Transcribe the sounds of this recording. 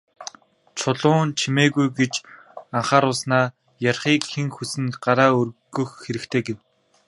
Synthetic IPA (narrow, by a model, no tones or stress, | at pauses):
t͡ɕʰʊɮʊːnt͡ɕʰimeːɣujɡet͡ɕaɴχaːɾʊsnaː | jarχiːkxeŋxusɘ̆nɢaɾaːɵrɡɵ̆xːeɾɘ̆kt̪ʰeːɡew